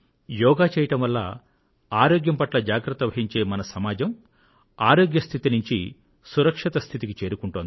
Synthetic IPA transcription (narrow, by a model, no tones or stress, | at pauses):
jɔːɡaːt͡ʃɛːjɐʈɐmʋɐlːɐ̰ | aːɾoːɡjɐmpɐʈlɐd͡ʒaːɡɾɐt̪ːɐʋɐɦiɲt͡ʃe̞ːmɐnɐsɐmaːd͡ʒɐm | aːɾoːɡjɐst̪ʰit̪inuɲt͡ʃi | suɾɐkʂit̪ɐst̪ʰit̪ikit͡ʃe̞ːɾukuɳʈond̪i